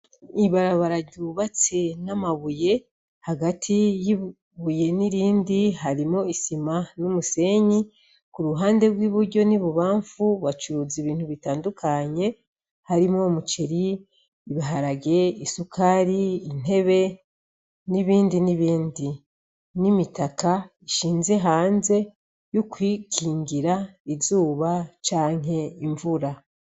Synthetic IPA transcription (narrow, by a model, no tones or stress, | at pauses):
iβaɾaβaɾaɟuːβat͡se̞namaβuje̞ | haɡatʰiji | βuje̞niɾiːndiɦaɾimo̞isimanomuse̞ɲi | kuɾuɦaːnde̞ɡwiːβuɾɟo̞niβuβaːɱfuβat͡ʃuɾuːziβiːntuβitaːndukʰaɲe̞ | haɾimŋo̞mut͡ʃeɾiː | βiɦaɾaɡe̞isukʰaɾiːn̥e̞βe̞ | niβiːndiniβiːndi | nimitaka | iʃiːnze̞ɦaːnze̞ | jukwiːkʰiːŋɡiɾaizuːβat͡ʃaːŋ̥ɦe̞iɱvuɾa